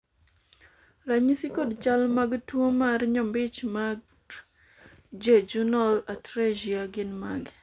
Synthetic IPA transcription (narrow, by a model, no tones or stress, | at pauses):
raɲisikodt͡ʃalmaɡtwomarɲɔmbɪt͡ʃmaɡ | d͡ʒed͡ʒunalatɾad͡ʒiaɡɪnmaɡ